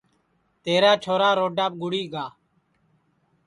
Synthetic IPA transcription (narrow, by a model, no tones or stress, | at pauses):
t̪eːɾaːt͡ʃʰoːɾaːɾoːɖaːp̚ɡʊɽiːɡaː